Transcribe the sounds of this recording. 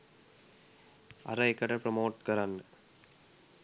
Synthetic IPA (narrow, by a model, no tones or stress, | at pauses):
ɐ̰ɾɐɪkːɐʈɐpɾɐmoːʈ̚kɐɾan